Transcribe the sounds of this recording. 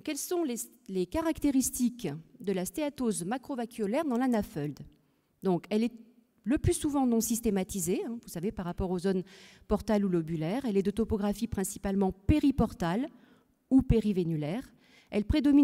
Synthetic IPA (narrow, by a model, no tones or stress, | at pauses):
kɛlsɔ̃le | lekaʁakt̪eʁist̪ikd̪əlast̪eat̪ozmakχɔvakʲyɔlɛʁd̪ɑ̃lanafœld̪ | d̪ɔ̃kɛlɛ | ləplysuvɑ̃nɔ̃sist̪emat̪izeɛ̃vusavepaʁːapɔʁozonpɔʁt̪alulɔbylɛʁɛlɛd̪ət̪ɔpɔɡʁafipχɛ̃si̥palmɑ̃peʁipɔʁt̪al | upeʁivenylɛʁ | ɛlpχed̪ɔmi